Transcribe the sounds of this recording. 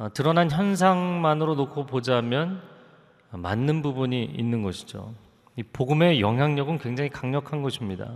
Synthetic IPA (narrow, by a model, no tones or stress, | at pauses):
ʌtɯɾʌnançjʌns̬ʰaŋmanɯɾonokʰopod͡ʑamjʌn | ʌma̰nːɯnbubuɲiḭnːɯnɡʌɕʰi̥d͡ʑo̰ | ipoɡɯme̞jʌŋɦjaŋɲʌɡɯnkwe̞ŋd͡ʑaŋikaŋɲʌkʰanɡʌɕʰimɲida̰